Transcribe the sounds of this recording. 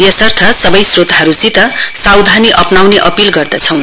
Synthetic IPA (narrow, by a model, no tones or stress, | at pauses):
jʌsʌrt̪ʰʌsʌbʌjsrot̪aɦʌɾusit̪ʌsawd̪ʱaniʔʌpnawneʔʌpilɡʌrd̪ʌt͡sʰʌw̃